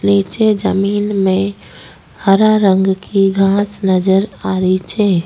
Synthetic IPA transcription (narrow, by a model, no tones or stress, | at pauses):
leːt͡ʃed͡ʒəmiːnmẽ | həɾaɾə̃ŋɡkiɡʱãːsnəd͡ʒəɾaːɾit͡ʃʰeː